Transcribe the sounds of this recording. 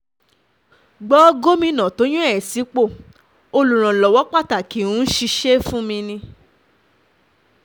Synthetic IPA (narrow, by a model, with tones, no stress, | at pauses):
ɡ͡bɔ˦ɡo˦mĩ˧nã˨to˨˦jũ˦ɛ˦˨si˨˦k͡po˦˨ | o˧lu˨ɾ̃ã˨lɔ˨wɔ˨˦k͡pa˦˨ta˨kĩ˨˦ũ˨˦n̩˦ʃi˧ʃe˦fũ˦mĩ˧nĩ˧